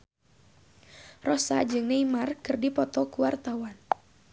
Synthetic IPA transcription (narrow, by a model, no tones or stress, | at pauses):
rɔsa̰d͡ʒɨŋneimarkɨrdipɔt̪ɔkuwart̪awan